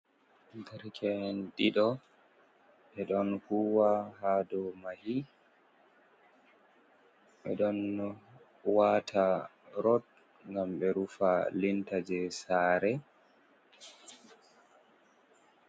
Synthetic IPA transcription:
dɛɾkʰɛndiɗɔ | ɓɛɗɔnhuwahadɔmahi | ɓɛɗɔn | watʰa | ɾɔt̚ | ŋɡamɓɛɾufalintad͡ʒɛsaːɾɛ

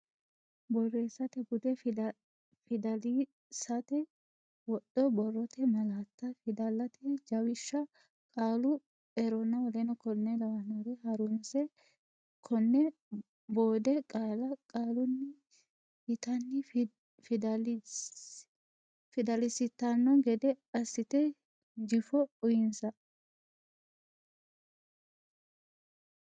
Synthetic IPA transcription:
bɔrːeːsɐt̪ɛɡʊd̪ɛ | fɪd̪ɐli | sɐt̪ɛ | wɔɗːɔbɔrːɔt̪ʰɛmɐlaːt̪ːɐfɪd̪ɐlːɐt̪ʰɛd͡ʒɐwɪʃːɐ | kʼaːlʊ | ɛɾɔnːɐwɔlɛnɔkɔnːɛlɐwɐnɔɾɛhɐɾʊmsɛ | kʰɔnːɛ | boːd̪ɛkʼalɐkʼaːlʊnːɪ | hɪt̪ɐnːɪ | fd̪ | fɪd̪ɐlɪsɪt̪ːɐnːɔɡɛd̪ɛɐsːɪt̪ɛ | d͡ʒɪfɔʊjɪnsɐ

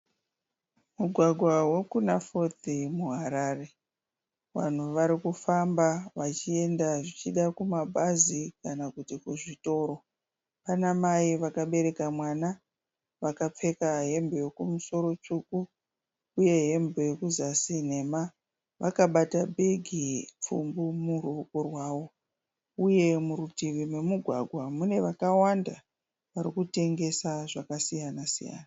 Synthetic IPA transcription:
muɡʱwaɡʱwawe̞kunafo̞t̪imuɦaɾare̞ | ʋa̰n̤uʋaɾikufambaʋat͡ʃie̞ndaʐit͡ʃiɗakumabʱazikanakutikuʐito̞ːɾo̞ | panamaiʋakaɓe̞ɾe̞kamwana | ʋakap͡fe̞kaɦe̞mbo̞jo̞kumuso̞ɾo̞t͡ʂukuː | je̞ɦe̞mbe̞jo̞kuzasine̞ːma | ʋakaɓatabʱe̞ɡʱip͡fṵmbumurukorwaːwo̞ | uje̞muɾutiʋime̞muɡʱwaɡʱwamune̞ʋakawanda | ʋaɾikute̞ŋɡe̞saʐakasijanasija̰ːna

